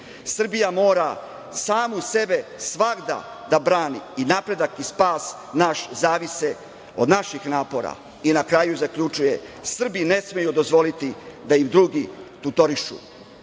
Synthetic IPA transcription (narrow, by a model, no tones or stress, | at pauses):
sr̩bijamo̞ːɾa | saːmuse̞be̞sʋaɡd̪a̰ | d̪abɾaːniːnapɾe̞d̪akispaːs | naʃzaːʋise | o̞d̪naʃixnaːpo̞ɾa̰ | inakɾajuzakʎut͡ʃujesr̩bine̞smejud̪o̞zʋo̞lit̪id̪aimd̪ɾuːɡit̪ut̪o̞ɾiʃṵ